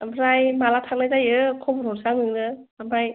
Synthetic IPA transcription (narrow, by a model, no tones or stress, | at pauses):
ambʰɾajmalatʰak̚lajzajɯkʰɔmɯɾɔɾsaŋnɯŋnɯ | abʰɾaj